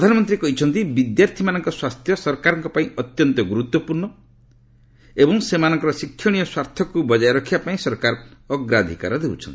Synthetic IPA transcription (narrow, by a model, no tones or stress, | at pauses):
pɾɔd̪ʱanɔmɔnt̪ɾikɔɦit͡ʃʰɔnt̪ibid̪jaɾt̪ʰimanɔŋkɔswast̪ʰjɔsɔɾkaɾɔŋkɔpaĩɔt̪jɔnt̪ɔɡuɾut̪wɔpuɾnɳɔ | ebɔŋsemanɔŋkɔɾɔsikʰjɔɽ̃ijɔswaɾt̪ʰjɔkubɔd͡ʒajɾɔkʰibapaĩsɔɾkaɾɔɡɾad̪ʱika̰ɾɔd̪ewt͡ʃʰɔnt̪i